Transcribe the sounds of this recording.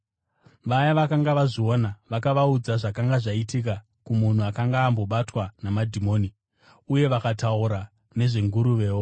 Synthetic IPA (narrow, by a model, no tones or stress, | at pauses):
ʋajaʋakaŋɡaʋaʐio̞naʋakaʋaud͡zaʐakaŋɡaʐaitik̬a | kumun̤uakaŋɡaːmbo̞ɓatwanamadʱimo̞ːni | uje̞ʋakatauɾa | ne̞ʐe̞ŋɡuɾuʋe̞ːwo